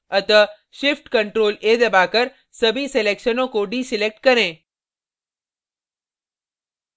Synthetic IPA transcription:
ət̪ə | ʃɪfʈkəɳʈɾoːled̪əbakəɾ | səbʱiselekʃənokoɖiːsɪlek̚ʈ̚kəɾẽ

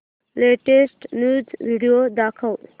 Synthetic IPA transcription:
leʈesʈnud͡zʋiɽijod̪akʰəw

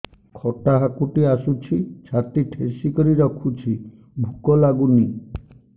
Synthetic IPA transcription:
kʰɔʈaɦakuʈiasut͡ʃʰit͡ʃʰat̪iʈʰesikɔɾiɾɔkʰut͡ʃʰi | bʱukɔlaɡuni

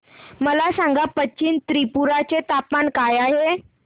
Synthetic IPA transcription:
məlasãŋɡapət͡ɕiːnt̪ɾipuɾat͡set̪apmaɳkajaɦe

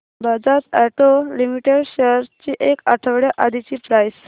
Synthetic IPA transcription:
bad͡zat̪ɛʈolimiʈeɖɕəɾt͡ɕiːʔekaʈʰəʋɽjaʔad̪ʱit͡ɕiːpɾajs

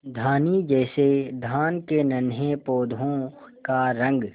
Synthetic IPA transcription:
d̪ʱaːnid͡ʒɛːsed̪ʱaːnkenɐnepoːd̪ʱõ | kaɾə̃ŋɡ

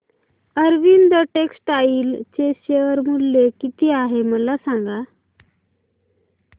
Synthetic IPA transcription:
əɾʋind̪əʈeksʈaiːlt͡seɕeəɾmulːekit̪iːaɦeməlasaŋɡa

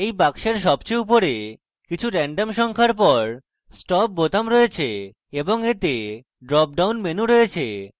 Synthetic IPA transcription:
ejpakʃeɾʃ̬ɔbt͡ɕeup̬oɾe | kit͡ɕʰuɾɛɳɖemʃɔŋkʰaɾp̬ɔɾ | sʈɔp̚ːot̪amɾoet͡ɕʰe | eboŋet̪e | ɖɾɔp̚ɖawnmenuɾoet͡ɕʰe

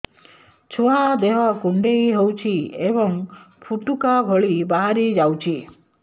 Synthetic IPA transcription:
t͡ʃʰuad̪eɦɔkuɳɖejɦewt͡ʃʰiebɔŋ | pʰuʈukabʱɔɭibaɦaɾid͡ʒawt͡ʃʰi

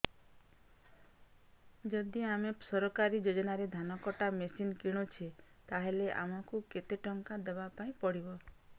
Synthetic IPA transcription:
d͡ʒɔd̪iamesɔɾɔkaɾid͡ʒod͡ʒɔnaɾed̪ʱanɔkɔʈamesinkiɽ̃ut͡ʃʰet̪aɦeleʔa̰mɔkuket̪eʈɔŋkad̪ebapaĩpɔɽibɔ

